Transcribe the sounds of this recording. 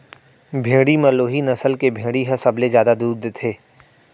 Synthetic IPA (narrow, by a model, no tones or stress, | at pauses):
bʱẽːɽimɐloːɦinɐsəlkebʱẽːɽiɦɐsɐblezjaːd̪ad̪uːɾd̪et̪ʰeː